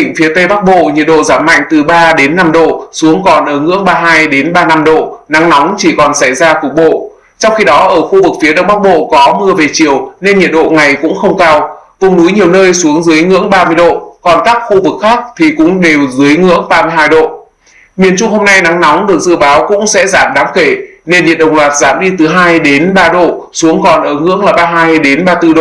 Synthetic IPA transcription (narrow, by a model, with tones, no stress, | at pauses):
i˧˩ŋ̟fi˨˦ət̪ə˧jɓa˦˥k̚ɓo̰˧˨ɲḭ˨ət̚ɗo̰˧˨zaː˧˩mːa̰˧˨jŋ̟t̪ɨ˨˩ɓaː˧ɗe˨˦nːa˧mɗo̰˧˨su˨˦əŋkɔ˨˩nʔəː˧˩ŋɨ̰˧˥əŋɓaː˧ɦaː˧jɗe˨˦nɓaː˧na˧mɗo̰˧˨na˨˦ŋnɔ˨˦wŋ͡mt͡ɕi˧˩kɔ˨˩nsa˧˩jzaː˧ku˨˩k̚ɓo̰˧˨ | t͡ɕɔ˧wŋ͡mxi˧ɗɔ˨˦ʔəː˧˩xu˧vɨ˨˩k̚fi˨˦əɗə̰˧wŋ͡mɓa˦˥k̚ɓo̰˧˨kɔ˨˦mɨ˧əve˨˩t͡ɕi˨˧˩əwne˧nɲḭ˨˧˨ət̚ɗo̰˧˨ŋa˨˩jkʊ̰˧˥ŋ͡mxə˧wŋ͡mkaː˧wvʊ˨˩ŋ͡mnu˨˦jɲi˨˩əwnəː˧jsu˨˦əŋzɨ˨˦əjŋɨ̰˧˥əŋɓaː˧mɨ˧əjɗo̰˧˨kɔ˨˩nkaː˦˥k̚xu˧vɨ˨˩k̚xaː˦˥k̚t̪ʰi˨˩kʊ̰˧˥ŋ͡mɗe˨˩wzɨ˨˦əjŋɨ̰˧˥əŋɓaː˧mɨ˧əjɦaː˧jɗo̰˧˨ | mi˨˩ənt͡ɕʊ˧ŋ͡mho˧mna˧jna˨˦ŋnɔ˨˦wŋ͡mɗɨ˨˩ək̚zɨ̰˧˥ɓaː˨˦wkʊ̰˧˥ŋ͡msɛ̰˧˥zaː˧˩mɗaː˨˦mxe˧˩ne˧nɲḭ˧˨ət̚ɗə˨˩wŋ͡mlwaː˨˩t̚z̥a̰ː˧˩mɗi˧t̪ɨ˨˩ɦaː˧jɗe˨˦nɓaː˧ɗo̰˧˨ | su˨˦əŋkɔ˨˩nʔəː˧˩ŋɨ̰˧˥əŋlaː˨˩ɓaː˧ɦaː˧jɗe˨˦nɓaː˧t̪ɨ˧ɗo̰˧˨